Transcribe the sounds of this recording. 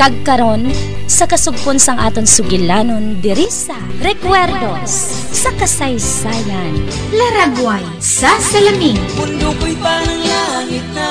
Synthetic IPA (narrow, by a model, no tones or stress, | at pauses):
kɐɡ̚kɐɾo̞nsɐkɐsʊɡ̚ponsɐŋʔaːt̪onsʊɡɪlaːnond̪ɛɾisɐɾɛkwɛɾd̪os | sɐkɐsɐjsaːjɐn | lɐɾaɡwaj | sɐsɐlɐmiŋʊɾopʊjtanɐŋlaŋɪ